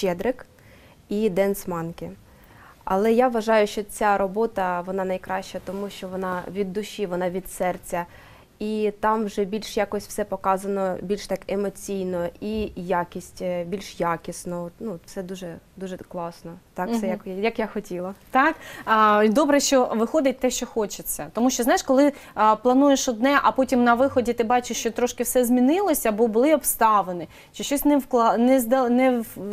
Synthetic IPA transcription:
t͡ʃɛd̪ɾɪk | id̪ɛnsmɑnkɪ | ɐ̰lˠɛjaʋʋɐʒɑjʊʃt͡ʃɔt͡sʲaɾɔbɔt̪ɐʋɔnɑnɐjkɾɑʃt͡ʃɐt̪ɔmuʃt͡ʃɔʋɔnɑʋʲid̪ːʊʃiʋɔnɑʋʲid̪̥sɛrt͡sʲɐ | it̪ɑmwʒɛbʲilʲʃjakɔsʲw̥sɛpɔkɑzɐnɔbʲilʲʃt̪ɑkemɔt͡sʲijnɔʔijakʲisʲtʲbʲilʲʃjakʲisnɔɔt̪nut̪fsɛd̪uʒɛd̪uʒɛklˠɑsnɔt̪ɑksɛjɐkjɐkjaxɔtʲilˠɐt̪ɑkːid̪ɔbɾɛʃt͡ʃɔʋɪxɔd̪ɪt̚ʲt̪ɛʃt͡ʃɔxɔt͡ʃɪt͡sʲːɐt̪ɔmuʃt͡ʃɔznajɪʃkɔlˠɪplˠɐnujeʃɔd̪nɛʔɐpɔtʲimnɐʋɪxɔdʲit̪ɪbɑt͡ʃɪʃt͡ʃɔt̪ɾɔʃkɪwsɛzʲmʲinɪlˠɔsʲɐbɔbʊlˠɪɔpst̪ɑʋenɪ | t͡ʃɪʃt͡ʃɔsʲnɛwklˠɑnɛzd̪ɐnɛ

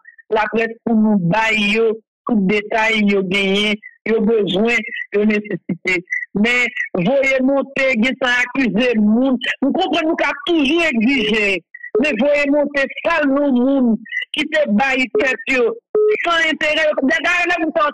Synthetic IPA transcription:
lapʁɛspunũbajːo | t̪ut̪̚d̪et̪ajːoɡɛ̃jɛ̃jobøzwɛ̃jonesesit̪emɛ̃vojemɔ̃t̪eɡɛ̃t̪ãakyzemũnnũkɔ̃pʁʌ̃nːũkat̪uʒueɡziʒemɛ̃vojemɔ̃t̪esalnũmũnkit̪ebajt̪ɛt̪josãɛ̃t̪eʁɛjod̪ɛɡajolɛmũtã

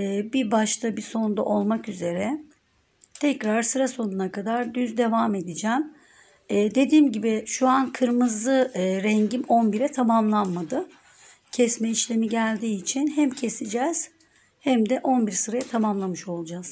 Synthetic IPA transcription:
bibaʃt̪ʰabiso̞nnd̪a̰ʔo̞lˠmakyze̞ɾɛ | t̪ʰɛcɾaɾsɯɾaso̞nunakad̪aɾd̪yzd̪e̞vaːme̞d̪id͡ʒæːmː | d̪e̞d̪iːmɟibiʃuankʰɯɾmɯzlˠɯɯɾɛɲɟimo̞nbiɾɛt̪ʰamamlˠanmad̪ɯ | cʰɛsmɛiʃlʲe̞miɟælʲd̪iːt͡ʃʰinɦæmcʰe̞sid͡ʒɛz̥ | hæmd̪ɛʔo̞nbiɾsɯɾajat̪ʰamamlˠamɯʃo̞lˠud͡ʒaz̥

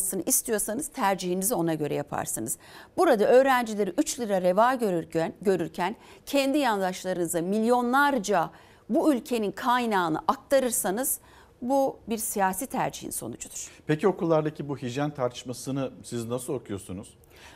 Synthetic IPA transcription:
sɯnɯʔist̪ʰijo̞ɾsanɯz̥t̪ʰæɾd͡ʒihinizio̞naɟø̞ɾɛ̰japʰa̰ɾsɯnɯz̥buɾad̪aʔø̞ːɾænd͡ʒilʲeɾiʔyt͡ʃlʲˠiɾaɾe̞vaːɟø̞ɾyɾcʰæn | cʰɛnd̪ijand̪aʃlˠaɾɯnɯzamilʲjo̞nlˠaɾd͡ʒa | buylʲcʰe̞ninkʰajnaːnɯ̰ʔak̚t̪ʰaɾɯɾsanɯz̥ | bubiɾsijaːsiːt̪ʰæ̰ɾd͡ʒihḭnso̞̰nud͡ʒud̪̥uɾ̥pecio̞kulˠːaɾd̪acʰibuɦid͡ʒjænt̪ʰaɾt̪ʰɯ̥ʃmasɯnɯsiznasɯlˠo̞kʰujo̞ɾsunuz̥

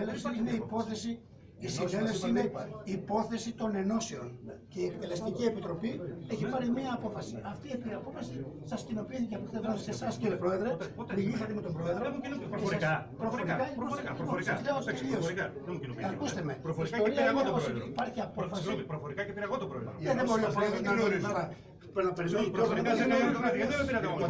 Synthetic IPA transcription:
elefsiineipo̞θe̞si | isinelefsiineipo̞θe̞sit̪o̞ne̞no̞seo̞nce̞iekt̪e̞le̞st̪icie̞pit̪ɾo̞pieçipɐɾimiɐːpo̞fɐsiʔɐft̪iepiɐpo̞fɐsisɐscino̞piːθiceɐkust̪eessesɐsciɾipɾo̞e̞ðɾemilisɐt̪emet̪o̞mbɾo̞eðɾo | pɾofoɾikɐ | sleosioɾkɐðemuinopiɐkust̪emeɾofiɾisaoɾiɐoosiipɐɾçiɐpo̞fɐsipɾofoɾikɐcepiɾɐɣot̪obɾoeðeboɾiɐpðoɐnonit̪oɾɐ | peznɐpeɾimenozmɐeeoɐpiɾɐt̪eo

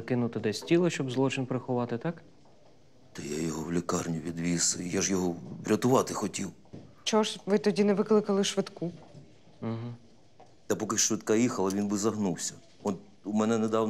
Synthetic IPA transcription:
kɪnʊt̪ɪd̪ɛsʲtʲilˠɪʃt͡ʃɔbzlˠɔt͡ʃɪnpɾexʊʋɑt̪ɪt̪ɑk | t̪ɐjajɔɦɔwlʲikɑrnʲiʋʲid̪ʋʲisjaʒjɔɦɔbɾʲɐt̪ʊʋɑt̪ɪxɔtʲiw | t͡ʃɔɔʃʋɪt̪ɔdʲinɛʋɪklˠɪkɐlˠɪʃʋɪt̪ku | m̩ɦ̩̪ | ɐpɔkɪʃʋɪt̪kɑjixɐlˠɐʋʲinbɪzɐɦnuwsʲɐ | ɔt̪ | umɛnɛnɛd̪ɑwn

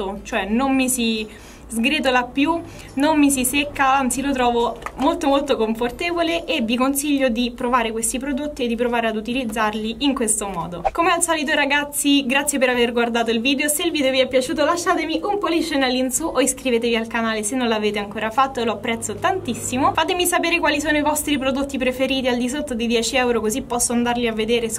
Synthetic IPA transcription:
ot͡ʃoɛnommisi | zɡɾet̪̬olapːju | nomːisisekːaant̪silot̪ɾɔːvomolt̪omolt̪okoɱfort̪eːvoleʔːvːikonsiʎːod̪ipɾovaːɾekwest̪ipɾod̪ot̪ːied̪ːipɾovaːɾead̪ut̪ilid̪zːarliʔiŋkwest̪omɔːd̪okomealsaːlit̪̬oɾaɡat̪sːiɡɾat̪sːjepeɾaverɡward̪aːt̪oilviːd̪eoseilviːd̪eoviɛpːjat͡ʃuːt̪̬olaʃːaːt̪emiʔumpolit͡ʃːenalinsuʔoiskɾiveːt̪̬evialkanaːlesenːõlaveːt̪eaŋkoːɾafat̪ːoeloapːɾɛt̪sːot̪ant̪isːimofaːt̪emisapeːɾekwaːlisoːnoivɔst̪ɾipɾod̪ot̪ːipɾefeɾiːt̪iald̪isot̪ːod̪id̪jɛːt͡ʃiɛwɾokozipːɔsːoand̪arliavːed̪eːɾe

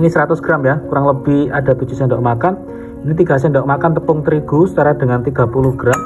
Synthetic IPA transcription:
ŋisəɾat̪ʊsɡ̥ɾamjakuɾaŋləb̥ɪhada̤t̪u̥d͡ʒusɛndɔʔmakan | init̪iɡ̥a̤s̬ɛndɔʔmakant̪əpʊŋt̪əɾiɡ̥usə̥t͡ʃaɾadəŋant̪iɡ̥a̤pulʊhɡ̥ɾam

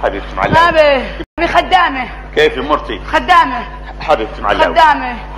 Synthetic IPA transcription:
ħabib̚t̪maʕa̰lːmabimabixad̪ːaːmi | keːfimʊɾt̪ixad̪ːaːmi | ħabɪb̚t̪maʕaxad̪ːaːmi

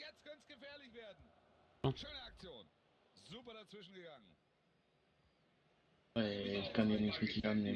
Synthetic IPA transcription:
jɛt͡stkʰœnt͡sɡ̥əfeːɐlɪçv̥eːɐdn̩ʃøːnəak̚t͡sjoːn | zuːpɐɾat͡sv̥ɪʃn̩ɡəɡaŋən | ɛlkanenitʁitianne

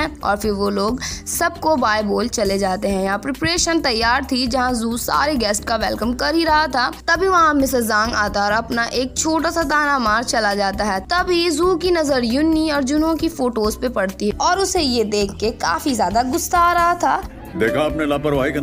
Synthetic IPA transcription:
ɛ̃ɔ̰ːɾfɪɾʋoloːɡsɐb̚kobaːjboːlt͡ʃɐled͡ʒaːt̪eɦɛ̃jɐɦãpɾɪpɾeːʃənt̪ɐjːaːɾt̪ʰid͡ʒɐɦãzuːsa̰ːɾeɡɛːsʈkaʋɛːlkəmkɐɾɦiɾɐɦat̪ʰaːt̪ɐbʱiʋɐɦãmɪsəzãːŋɡaːt̪aːɾaɐpnaʔeːk̚t͡ʃʰoːʈasat̪aːnamaːɾt͡ʃɐlad͡ʒaːt̪aɦɛːt̪ɐbʱizuːkinɐzəɾjʊnːiɔːɾd͡ʒʊnõkifoːʈoːzpepɐɽt̪iɦɛɔːɾʊsejed̪eːkʰːeka̰ːfizjaːd̪aɡʊst̪aɾɐɦat̪ʰaː | d̪eːkʰaːpnelaːpɐɾʋaːikɐ

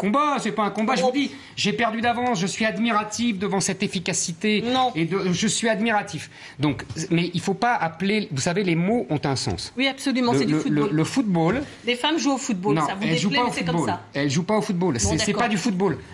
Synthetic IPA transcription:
kɔ̃basɛpaɛ̃kɔ̃baʒəvvud̪i | ʒepɛʁd̪yd̪avɑ̃sʒəsɥiad̪miʁat̪ifd̪əvɑ̃sɛt̪efikasit̪enɔ̃ed̪əʒəsɥiad̪miʁat̪if | d̪ɔ̃kmɛʔilfopaʔaplevusavelemoʔɔ̃t̪ɛ̃sɑ̰̃swiapsolymɑ̃ɛlələfut̪̚bold̪efamʒuofut̪̚bonɔ̃vɛlʒupaofublaɛlʒupaofut̪̚bolsɛsɛpad̪yfut̪̚bol

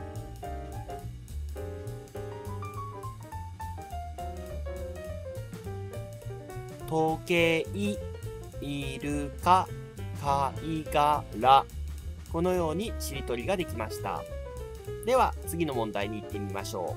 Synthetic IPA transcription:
t̪o̞ːke̞ːi | iɾɯ̟ka | kaiɡaɾa | ko̞no̞jo̞ːɲ̟iɕiɾʲit̪o̞ɾʲiɡad̪e̞kʲimaɕi̥t̪a̰ | d̪e̞βat͡sɨɡʲino̞mõ̞nd̪aiɲ̟iːt̪ːe̞mʲima̰ɕo̞̰ː

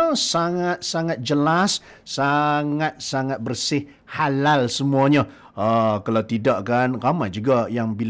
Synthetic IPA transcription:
saŋat̪̚saŋat̪̚d͡ʒəlas | saŋat̪̚saŋat̪̚bərsɪh | halalsəmuaɲa | əkalawt̪idaʔkanramad͡ʒuɡajaŋbil

